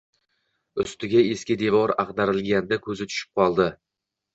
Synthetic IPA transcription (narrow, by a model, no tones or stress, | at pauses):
ʊst̪ɪɡʲae̞skʲɪd̪e̞vɒɾaqd̪aɾɪlɡʲand̪akʰɵzɪt̪ʰʊ̥ʃɪ̥p̚qʰɒlˠd̪ɪ